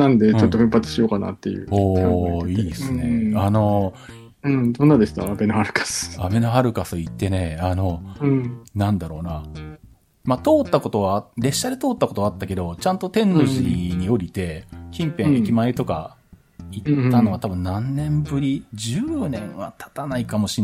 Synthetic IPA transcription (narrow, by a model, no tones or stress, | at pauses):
nãnd̪e̞ɯt͡ɕoːoɸɯ̟̃mpat͡sɨ̥ɕijo̞kana̰t̪ːe̞jɯ̰oːiːdsɨne̞ano̞ | ɯ̟̃ɴd̪õ̞nːad̪esɨ̥t̪a̰ːbe̞nohaɾɯ̟kḁsɨ̥a̰be̞noɦaɾɯ̟kasɨit̪ːe̞ne̞ano̞ɯ̟̃ɴnãnd̪aɾo̞ːna | mat̪o̞ːt̪ːako̞t̪o̞βaɾe̞ɕːad̪e̞t̪o̞ːt̪ːako̞t̪oat̪ːake̞d̪o̞t͡ɕãnt̪ot̪ẽ̞nːo̞ʑiɲ̟io̞ɾʲit̪e̞kʲĩmpẽikʲimaet̪o̞ka̰ | iːano̞βat̪abɯ̟nnːãnnẽ̞mbɯ̟ɾʲid͡ʑɨːnẽ̞ɰ̃βa̰t̪ʰḁt̪anaikamo̞ɕin